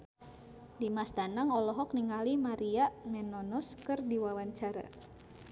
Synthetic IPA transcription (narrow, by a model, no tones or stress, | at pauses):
dimasdanaŋɔlɔɦɔk̚niŋalimaɾiaʔmɛnɔnɔskɨrdiwawaɲt͡ʃaɾa̰